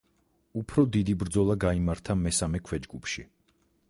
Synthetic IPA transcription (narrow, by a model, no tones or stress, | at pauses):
upʰɾɔd̪id̪ibɾd̪zɔlˠaɡaimaɾt̪ʰamɛsamɛkʰwɛd͡ʒɡupʰʃi